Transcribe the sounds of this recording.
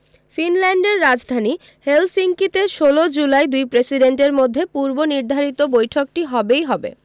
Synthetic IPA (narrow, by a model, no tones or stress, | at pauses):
finlɛɳɖeɾːad͡ʑd̪ʱani | helsiŋkit̪eʃolod͡ʑulajd̪ujpɾesiɖeɳʈeɾmod̪ʱːepuɾboniɾd̪ʱaɾit̪obojʈʰok̚ʈiɦɔbejɦɔbḛ